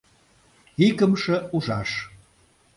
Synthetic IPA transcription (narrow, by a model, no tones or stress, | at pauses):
ikəmʃə̆uʒɑʃ